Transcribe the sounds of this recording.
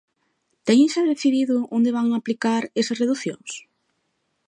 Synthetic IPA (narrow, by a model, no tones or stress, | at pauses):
t̪ɛɲẽŋsapɾeθiðiðʊond̪eβaŋaplikaɾesɐsreðuθjo̰ŋs